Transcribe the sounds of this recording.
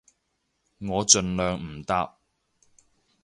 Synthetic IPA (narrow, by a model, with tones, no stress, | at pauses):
ŋɔː˨˧t͡ʃɵ˨˧nlœː˨ŋm̩˨˩t̪aː˥p̚